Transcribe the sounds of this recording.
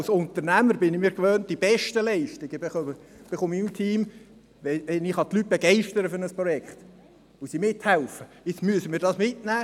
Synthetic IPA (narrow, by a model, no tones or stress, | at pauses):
lsʊnt̪əɾnæməɾbɪnɪmiːɾkʋøːnt̚d̥ib̥ɛʃtəlɛɪʃtɪɡ̥əbeob̥eχomimt̪ʰiːm | ʋɛɛnɪχɑt̪lyt̚b̥ɛɡɛɪʃtəɾəfʏɾnəspɾɔjɛkχt | ʊsimɪthɛlfə | ɪt͡smyəsəmiːɾdɑːsmɪtnæː